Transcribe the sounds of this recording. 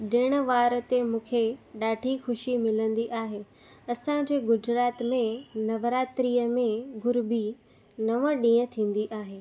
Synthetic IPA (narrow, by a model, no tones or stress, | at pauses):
ɗɪɽ̃ə̆ʋaːɾət̪emũːkʰeɗaːʈʰixʊʃimɪlə̃nd̪iʔaːɦe | ɐsãd͡ʑeːɡʊd͡ʑɾaːt̪mẽnɐʋɾaːt̪ɾiːəmẽɡʱʊɾbʱi | nɐʋə̃ɗĩːə̃t̪ʰĩːn̆d̪iʔaːɦeː